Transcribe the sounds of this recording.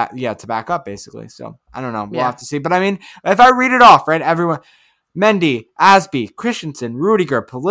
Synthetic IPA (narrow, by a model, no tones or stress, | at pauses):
æ̰ʔjætʰəbækʌp̚b̥eɪsɨ̥klḭso̰ʊaaɪɾõʊ̃nːoʊwilˠhæftʰəsibʌɾaɪmĩnɨfaɪɹiɾɨɾɔfɹaɪɾɛvɹiwʌ̃n | mɛ̃ndiʔæzbikʰɹ̥ɪʃt͡ʃn̩sɨ̃nɹʉɾɨɡə˞pʰəl